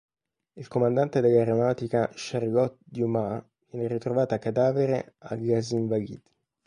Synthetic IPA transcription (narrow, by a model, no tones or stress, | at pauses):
ilkomand̪ant̪ed̪elːaɾomat̪ikaʃarɡɔt̪̚d̪juma | vjɛːneɾit̪ɾovaːt̪akːad̪aːveɾeaɡaziɱvaɡḭd̪̥